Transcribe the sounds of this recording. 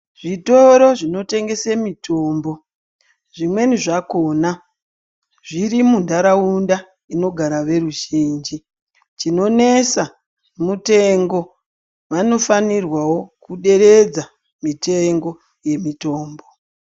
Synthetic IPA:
ʐito̞ɾo̞ʐino̞te̞ŋɡe̞semitʰo̞ːmbo̞ | ʐimwe̞niʐako̞ːna | ʐiɾimundaɾaunda | ino̞ɡʱaɾaʋe̞ruʒind͡ʒi | t͡ʃino̞ne̞sa | mute̞ŋɡo̞ | ʋano̞fanirwawo̞kuɗe̞ɾe̞d͡za | mite̞ŋɡo̞ | je̞mito̞ːmbo̞

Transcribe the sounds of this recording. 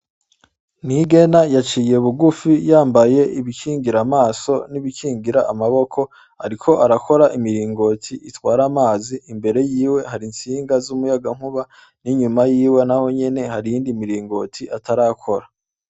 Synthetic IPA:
niɡe̞najat͡ʃiːje̞βuɡufijaːmbaje̞ʔiβikʰiːŋɡiɾamaːso̞niβikʰiːŋɡiɾaʔamaβo̞kʰo̞ | a̰ɾikʰo̞ʔaɾako̞ɾaʔimiɾiːŋɡo̞tʰiʔitwaːɾamaːziʔimbe̞ɾe̞jiːwe̞haɾinsiːŋɡazumujaɡaŋ̥huβa | niɲumajiːwe̞naho̞ɲe̞ne̞haɾijiːndimiɾiːŋɡo̞tʰiʔataɾakʰo̞ɾa

